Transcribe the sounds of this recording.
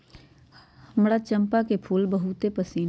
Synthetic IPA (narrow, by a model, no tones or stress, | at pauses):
həmɾat͡ʃə̃mpakepʰuːlbəɦut̪epəsiːn